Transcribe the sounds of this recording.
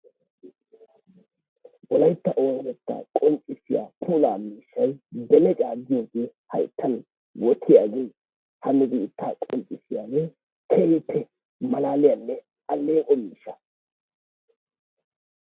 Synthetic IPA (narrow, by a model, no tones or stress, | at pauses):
wɔlɐjt̪ːɐʔoːnɛt̪ːa̰ːkʼɔmt͡ʃʼɪsɪja̰ːpʰuːlaːmiːʃːɐjbɛlɛt͡ʃʼaːɡɪjoːɡeːhɐ̰jt̪ʰːɐn | wɔt̪ʰɪjaːɡeː | hɐnɛbiɪt̪ʰːaːkʼɔ̰mt͡sʼːɪsɪjaːɡeː | kʰejɪpʰːɛ | mɐlaːlɪjɐnːɛ | ʔɐlːeːkʼɔmiːʃːɐ̥